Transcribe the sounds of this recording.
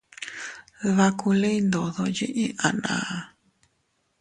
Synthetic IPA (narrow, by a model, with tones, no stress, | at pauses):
ða˦˧ku˧le˦i˦nd̪o˨ðo˧ji˦ʔĩ˦ʔa˨nã̰˨˧